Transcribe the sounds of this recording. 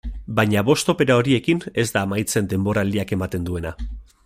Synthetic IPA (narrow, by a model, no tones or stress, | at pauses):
bajɲaβo̞st̪o̞pe̞ɾao̞ɾie̞kine̞zd̪aːmajt͡se̞nd̪e̞mbo̞ɾald̪iake̞mat̪e̞nd̪ue̞na